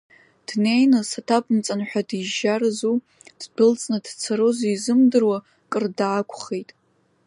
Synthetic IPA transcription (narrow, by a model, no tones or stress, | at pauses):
d̥nejnɨsatʰapʰʼmt͡sʼanħʷᶣadiʒarzu | d̥bɨlt͡sʼnadt͡sʰaɾozizɨmdɨrwa | kʼɨrdaːkʷʰʼχe̞jtʼ